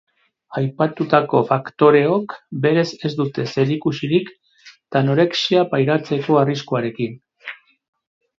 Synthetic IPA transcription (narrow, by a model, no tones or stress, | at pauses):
ajpat̪ut̪ako̞fakt̪o̞ɾe̞o̞kbe̞ɾe̞se̞zd̪ut̪e̞se̞ɾikusiɾik | t̪anoɾeksiapajɾaɾt͡se̞ko̞ariskuaɾe̞kin